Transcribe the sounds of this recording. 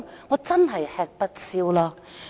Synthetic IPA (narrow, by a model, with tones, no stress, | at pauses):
ŋɔː˨˧t͡sɐ˥nɦɐ˨jhɛː˧k̚pɐ˥t̚si˧wlɔː˧